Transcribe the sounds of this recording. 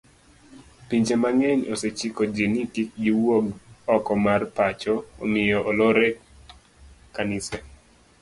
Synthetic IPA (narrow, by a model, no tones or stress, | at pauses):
piɲd͡ʒemaŋɛɲoset͡ʃikod͡ʒinɪtik̚ɡiwoɡɔkɔmarpat͡ʃɔomɪjɔʔoloɾɛk | kːanɪsa